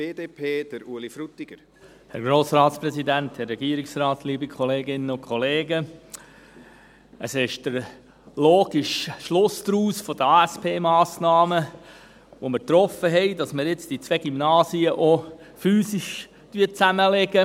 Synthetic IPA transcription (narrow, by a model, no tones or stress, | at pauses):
b̥eːdeːpʰeːd̥əɾuəlifɾut̪ːɪɡ̥əɾ | hɛɾɡɾoːsrɑːtsprɛsidænt̪hɛrrɛɡiːɾɪksrɑːtliːbikʰχɔleːɡɪnəʊnkʰχɔleːɡə | ʔəsɪʃd̥əɾ | loːɡ̥iʃʃlʊsd̪ɾuːsfɔd̪əɑːɛspʰeːmɑːsnɑːmə | ʋoməɾt̪ɾɔfəɦɛɪdɑsməɾjɪt͡sd̥it͡sʋeɡ̥imnɑːsiəʔofyːsiʃ | tyət͡sæməleɡə